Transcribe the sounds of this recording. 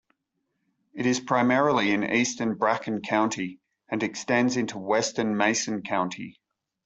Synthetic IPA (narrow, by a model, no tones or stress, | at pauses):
ɪɾɪz̥pʰɹ̥ɑɪmɛɹəl̩ˠiɪ̃nḭˑstənbɹakə̃nkʰãʊ̃ntʰi | ə̃nɨkstɛ̃ndzɪ̃ntʰuwɛstənmeɪsə̃nkʰãʊ̃ntʰḭ